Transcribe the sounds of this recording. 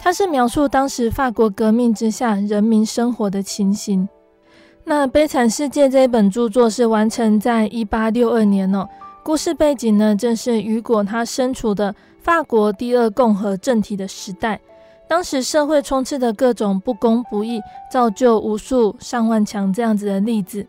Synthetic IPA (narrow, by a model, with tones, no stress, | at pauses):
t̪ʰa˥ʂɻ̩˥˩mjɑ˧˥ʊʂu˥˩t̪ɑ˥ŋʂɻ̩˧˥fa˥˩kwɔ˧˥kɤ˧˥mi˥˩ŋʈ͡ʂɻ̩˦ɕja˥˩ɻə˧˥nmi˧˥nʂə˥ŋxwɔ˨˧˥d̪ə˧t͡ɕʰi˧˥nɕi˧˥n | na˥˧pe˥˩ɪt͡sʰa˨˩nʂɻ̩˥˧t͡ɕjɛ˥˧ʈ͡ʂə˥˧i˥˩pə˨˩nʈ͡ʂu˥˧t͡swɔ˥˧ʂɻ̩˥˩wa˧˥nʈ͡ʂʰə˧˥ŋt͡sa˥˧ɪʔi˥pa˥ljo˥˧ʊə˞˥˩njɛ˧˦nɔ˨ku˥˧ʂɻ̩˥˧pe˥˩ɪt͡ɕi˨˩ŋnə˦ʈ͡ʂɤ˥˧ŋʂɻ̩˥˩y˧˥kwɔ˨˩t̪ʰa˥ʂə˦nʈ͡ʂʰu˨˩d̪ə˧ | fa˥˩kwɔ˧˥t̪i˥˧ə˥˧kʊ˥˩ŋxɤ˧˥ʈ͡ʂə˥˩ŋt̪ʰi˨˩d̪ə˦ʂɻ̩˧˥t̪a˥˩ɪ | t̪ɑ˥ŋʂɻ̩˧˥ʂɤ˥˧xwe˥˩ɪʈ͡ʂʰʊ˥ŋt͡s̩ʰ˥˩d̪ə˩kɤ˥˩ʈ͡ʂʊ˨˩ŋpu˥˩kʊ˥ŋpu˧˥i˥˩t͡sɑ˥˧ʊt͡ɕjo˥˩ʊʔu˧˥su˥˧ʂɑ˥˧ŋwa˥˩nt͡ɕʰjɑ˧˥ŋʈ͡ʂɤ˥˧jɑ˥˩ŋd͡zɨ˨˩d̪ə˩li˥˩d͡z̩˨˩